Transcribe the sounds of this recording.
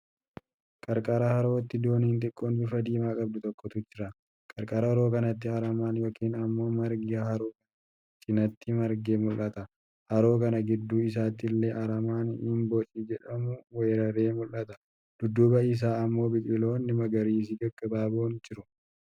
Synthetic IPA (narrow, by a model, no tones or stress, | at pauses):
kʼɐɾkʼɐɾɐhɐɾo̞ːt̪ːɪd̪o̞ːniːnt̪ʼɪkʼːoːnbɪfɐd̪iːmaːkʼɐb̚d̪ʊt̪ɔkːɔt̪ʊd͡ʒɪɾɐ | kʼɐɾkʼɐɾɐɐɾoːkɐnɐt̪ːɪɐɾɐmaːnjo̞ːkiːnɐmːo̞ːmɐɾɡhɐɾoːkɐ | sʼɪnɐt̪ːɪmɐɾɡeːmʊlʔɐt̪ɐ | hɐɾo̞ːkɐnɐɡɪd̪ːuːɪs̬aːt̪ɪlːeːʔɐɾɐmaːnɪnbɔt͡ʃʼiːd͡ʒɛᶑɐmʊweːɾɐɾeːmʊlːɐt̪ɐ̥ | d̪̥ʊd̪ːubɐɪs̬aːɐmːo̞ːbɪkʼɪlo̞ːnːɪmɐɡɐɾiːs̬ɪɡɐɡʼːɐbaːboːnd͡ʒɪɾʊ